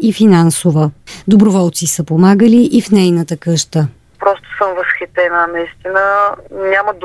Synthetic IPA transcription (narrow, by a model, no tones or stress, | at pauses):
ifinansovəd̪obɾovɔlˠt̪sisəpomaɡəliʔifnɛjnət̪əkɤʃt̪ə | pɾɔst̪ʊ̥səmvɐsxit̪ɛnənɐist̪inənʲaməd̪